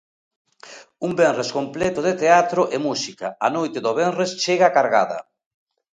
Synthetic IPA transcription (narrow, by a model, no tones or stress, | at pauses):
umbɛnreskomplɛt̪ʊðet̪eat̪ɾʊʔemusikaanojt̪eðoβeŋrest͡ʃeɣaakaɾɣa̰ðɐ̰